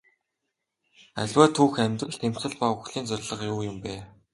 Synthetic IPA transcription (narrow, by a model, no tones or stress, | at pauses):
æ̰ɮʲwæːt̪ʰuːxæmʲt̪rə̆ɮt̪ʰem̥sɘ̆ɮpaʊxɮiːnt͡sœrʲɮə̆qjuːjʊmpæː